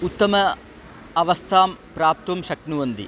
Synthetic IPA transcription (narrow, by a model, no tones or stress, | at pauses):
ut̪ːɐmɐ | ɐʋɐst̪ʰaːmpɾaːp̚t̪umʃɐknuʋɐnd̪ḭ